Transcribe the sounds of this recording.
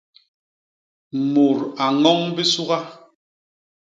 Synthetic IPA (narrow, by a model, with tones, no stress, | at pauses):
mo˨ɾa˨ŋɔ˦ŋbi˦su˦ɣa˦